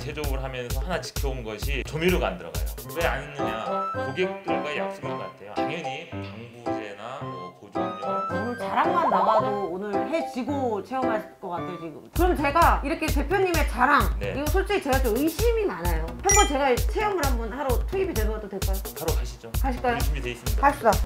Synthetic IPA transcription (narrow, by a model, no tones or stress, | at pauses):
t͡ɕed͡ʑʌɡɯɭɦamjʌnsʰʌhanat͡ɕi̥kʰjʌonɡʌɕʰit͡ɕomiɾoɡa̰ndɯɾʌ̰ɡa̰jo̰weaɲinːɯɲakoɡek̚t͈ɯɭɡaejak̚s͈ɯmikʌatʰe̞jo̰aŋʌɲipʌŋbudenakod͡ʑoonɯɭt͡ɕaɾaŋmanːaɡadoonɯɭɦe̞t͡ɕiɡot͡ɕʰe̞jʌmɦaɕʰik͈ʌk͈atʰejot͡ɕiɡɯmkɯɾʌmjʌnt͡ɕe̞ɡaiɾʌkʰe̞te̞pʰjoɲːime̞t͡ɕaɾaŋnḛiɡʌsʰot͡ɕ͈eit͡ɕe̞ɡat͡ɕ͈omɯiɕʰimimanajot͡ɕʰʌŋmaɭt͡ɕe̞ɡat͡ɕʰejoŋɯɭɦambʌnhaɾotʰuibidwe̞nɯŋɡʌt͈odweɭk͈ajopaɾokaɕʰi̥d͡ʑokaɕʰiɭk͈ajoɕimideis͈ɯmi̥aɭs͈uda